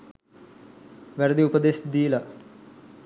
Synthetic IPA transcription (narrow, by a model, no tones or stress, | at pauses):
ʋæɾɐd̪iupəd̪esd̪iːla